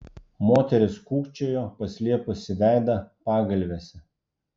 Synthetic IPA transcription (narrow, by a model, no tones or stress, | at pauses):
moːt̪ʲɛɾʲɪskuːkt͡ʃʲoːjoːpɐsʲlʲiɛpʊsʲɪʋʲæˑɪd̪ɐpɑːɡɐlʲʋʲesʲɛ